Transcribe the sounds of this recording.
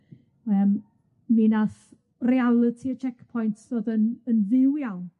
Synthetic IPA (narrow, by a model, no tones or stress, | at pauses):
əm | ninaθ | rialˠətʰiət͡ʃʰɛkpʰɔjntʰðoːðənənðɪwjawn